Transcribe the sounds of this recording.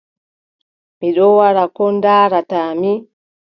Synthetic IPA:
miɗɔwaɾakɔndaːɾataːmi

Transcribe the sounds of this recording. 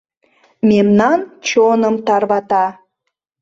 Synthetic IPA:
memnɑnt͡ɕonəmt̪ɑrβɑt̪ɑ

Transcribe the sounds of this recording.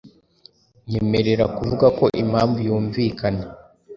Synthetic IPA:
jeːme̞ɾe̞ɾakuvuɡako̞ʔimhaːɱvujuːɱvikana

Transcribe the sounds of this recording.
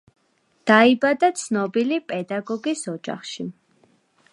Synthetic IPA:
d̪̥aibad̪at̪sʰnɔbilipʼɛd̪aɡɔɡisɔd͡ʒa̰χʃi

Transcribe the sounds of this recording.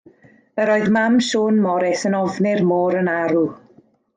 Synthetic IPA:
əɾoːɨðmamʃoːnmɔɾɛsənɔvnɪrmoːɾənaɾu

